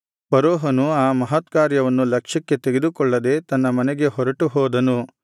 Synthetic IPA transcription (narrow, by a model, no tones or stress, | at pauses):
pɐɾɔːɦɐnuaːmɐɦɐt̪kaːɾjɐʋɐnːulɐkʂɐkːe̞t̪eɡed̪ukɔɭːɐd̪e̞ːt̪ɐnːɐmɐnɛɡe̞ɦɔɾɐʈuɦɔːd̪ɐnu